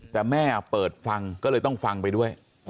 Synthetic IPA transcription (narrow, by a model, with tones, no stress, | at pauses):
t̪ɛː˨˩mɛː˥˩pɤː˨˩t̪̚fa˧ŋkɔː˥˩lɤː˧jt̪ɔ˥˩ŋfa˧ŋpa˧jdu˥˩əj